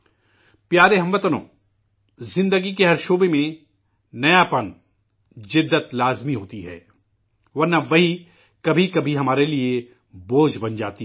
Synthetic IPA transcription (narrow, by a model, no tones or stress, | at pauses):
pjaːɾeɦɐ̃mʋɐt̪ənõ̰ː | zɪ̃nd̪əɡik̬eɦɐɾʃoːbemẽ | nɐjapɐn | d͡ʒɪd̪ːət̪laːzmiɦoːt̪iɦɛ̰ː | ʋɐɾnɐʋɐɦi | kɐbʱikɐbʱiɦɐmaːɾelie | boːd͡ʒbɐnd͡ʒaːt̪i